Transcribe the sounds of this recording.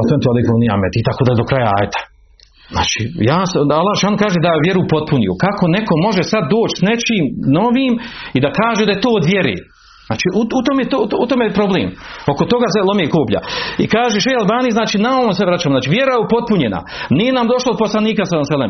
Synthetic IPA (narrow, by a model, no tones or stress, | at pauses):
at̪ent̪ualekonia̰met̪it̪akoːd̪ajed̪o̞kɾajaa̰ːjet̪ḁ | zna̰ːt͡ʃḭːjaːsalˠːaːheʃaːlnokaːʒed̪aʋjeɾupo̞t̪̚punijṵkakʰo̞neko̞mo̞ʒesad̪ːoːt͡ʃsnet͡ʃiːmno̞ʋiːmid̪akaːʒed̪ajet̪oːod̪ʋjeɾḛː | znaːt͡ʃiːʔuut̪omjet̪out̪omejpɾo̞blḛːmo̞ko̞t̪o̞ɡaselomeːkoːpʎa̰ikaːʒeʃ̬ejalbaːnijznaːt͡ʃiːnaoʋomseʋɾat͡ʃaːmoznaːt͡ʃiːʋjeɾajeupo̞t̪̚puɲena̰ | nije̞namd̪o̞ʃlod̪oposlaniːkasamsalem